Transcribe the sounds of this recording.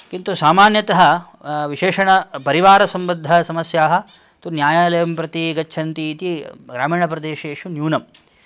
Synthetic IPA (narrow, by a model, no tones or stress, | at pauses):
kint̪usaːmaːnjɐt̪ɐɦɐ̆ | ʋiʃeːʂɐɳɐpɐɾiʋaːɾɐsɐmbɐd̪ʱːɐsɐmɐsjaːɦɐ̆ | t̪unjaːjaːlɐjɐmpɾɐt̪iɡɐt͡ʃːt͡ʃʰɐnt̪iːt̪iɡɾaːmiːɳɐpɾɐd̪eːʃeːʂunjuːnɐm